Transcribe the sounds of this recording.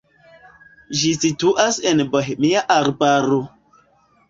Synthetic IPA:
ʒisituʔasenbɔɦmijaʔaɾbaɾo

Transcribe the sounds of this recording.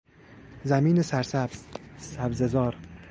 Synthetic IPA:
zæmiːnesæɾsæbz̥sæbzezɒːɾ

